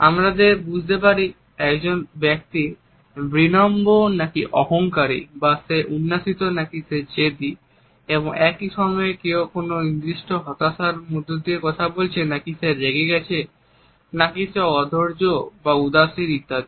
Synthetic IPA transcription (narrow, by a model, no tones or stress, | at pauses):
a̰mɾad̪eɾbud͡ʑʱt̪ep̬aɾi | ɛkd͡ʑonbɛk̚t̪i | bɾinɔmbonakiʔɔɦoŋkaɾḭbaseʔunːaʃit̪onakised͡ʑed̪i | eboŋɛkiʃɔmɔekeokononid̪ɾiʃʈoɦɔt̪aʃaɾmod̪ʱːod̪iekɔt̪ʰabolt͡ɕʰenakiseɾeɡeɡɛt͡ɕʰe | nakiseɔd̪ʱoɾd͡ʑobaud̪aʃiɾit̪ːad̪i